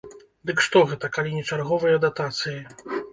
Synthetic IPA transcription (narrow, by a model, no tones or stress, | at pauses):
d̪ɨkʂt̪ɔɣɛt̪ɐkalʲinʲɛt͡ʂarɣɔvɨjɐd̪at̪at̪sɨji